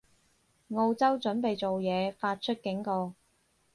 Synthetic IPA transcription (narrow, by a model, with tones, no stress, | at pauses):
ŋo˧wt͡sɐ˥wt͡sɵ˨˥npe˨jt͡so˨wjɛː˨˧faː˧t̚t͡ʃʰɵ˥t̚kɪ˨˥ŋkɔː˧